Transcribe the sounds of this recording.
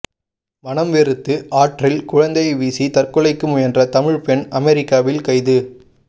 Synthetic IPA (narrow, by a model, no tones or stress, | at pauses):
mɐnɐmʋeɾɯt̪ːɯʔaːʈrɪlkʊɻɐnd̪ɐɪʋiːsit̪ɐrkɯɭɐɪkːɯmʊjɐndrɐt̪ɐmɪɻpɛnɐmɛɾɪkːaːʋɪlkɐɪðɯ